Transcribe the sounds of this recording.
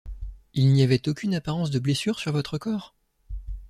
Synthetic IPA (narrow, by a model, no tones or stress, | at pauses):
ilniavɛt̪okʲynapaʁɑ̃sd̪əblesyʁsyʁvɔt̪χəkɔːʁ